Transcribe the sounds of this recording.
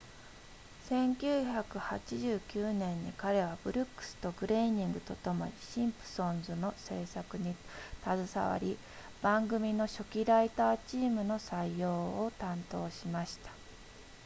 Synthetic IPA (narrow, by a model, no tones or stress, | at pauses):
sẽ̞ŋkʲɨːçakɯ̟hat͡ɕiʑɨːkʲɨːnẽ̞ɲ̟ːikaɾe̞β̞ab̥ɯ̟ɾʲɯ̟kːɯ̟̥sɨ̥t̪o̞ɡɯ̟ɾe̞iɲ̟ĩŋɡɯ̟t̪o̞t̪o̞mo̰ɾʲiɕĩmpɯ̟̥sõ̞nzɨno̞se̞ːsakɯ̟ɲ̟it̪azɨsa̰βa̰ɾʲi | b̥ãŋɡɯ̟mʲino̞ɕo̞kʲiɾait̪aːt͡ɕiːmɯ̟no̞saijo̞ːt̪ãnt̪o̞ːɕimaɕi̥t̪ḁ